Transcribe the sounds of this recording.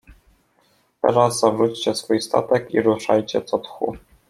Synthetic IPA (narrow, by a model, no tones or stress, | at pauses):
t̪ɛ̰ɾazzavʐut͡ɕt͡ɕɛsfujst̪a̰t̪ɛkiɾuʂajt͡ɕɛt̪sɔt̪xṵ